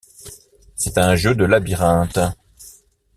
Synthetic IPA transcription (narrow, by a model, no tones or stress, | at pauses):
sɛt̪ɛ̃ʒød̪əlabiʁɛ̃t̪